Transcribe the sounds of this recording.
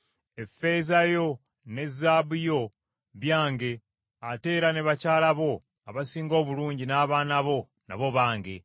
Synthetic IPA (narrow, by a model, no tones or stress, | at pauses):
e̞fe̞zajo̞ | ne̞zabujo̞ | βjaːŋɡe̞ | ate̞ːɾane̞βacaːlaβo̞ | aβasiːŋɡo̞ːβuluːɲɟinaːβaːnaβo̞ | na̰βo̞βaːŋɡe̞